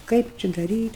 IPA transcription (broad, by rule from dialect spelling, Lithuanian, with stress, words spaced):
ˈkɐɪp t͡ʃʲɪ dɐˈrʲiːtʲ